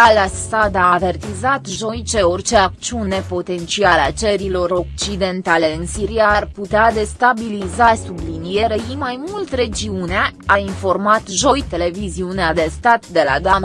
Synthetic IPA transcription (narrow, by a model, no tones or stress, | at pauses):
alasad̪aːve̞rt̪izat̪ʒo̞jt͡ʃe̞o̞rt͡ʃe̞ak̚t͡ʃiune̞po̞t̪e̞nt͡ʃialat͡ʃeɾilo̞ɾo̞k̚t͡ʃid̪e̞nt̪ale̞ɨnsiɾiaːrput̪ead̪e̞st̪abilizasublinijeɾejimajmult̪ɾe̞d͡ʒiuneaainfo̞rmat̪ʒo̞jt̪e̞le̞viziunead̪e̞st̪at̪d̪e̞la̰d̪am